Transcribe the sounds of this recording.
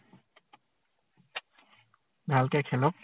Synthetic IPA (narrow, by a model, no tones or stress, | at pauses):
d̪alkɛkʰɛlɔp̚